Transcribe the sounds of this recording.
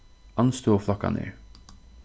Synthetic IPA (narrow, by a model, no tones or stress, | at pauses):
ɑnst̪uːɔflɑka̰nḛːɹ